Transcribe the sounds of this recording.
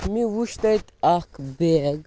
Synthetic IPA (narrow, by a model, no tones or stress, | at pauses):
miʋuʃt̪ajt̪akbeɡ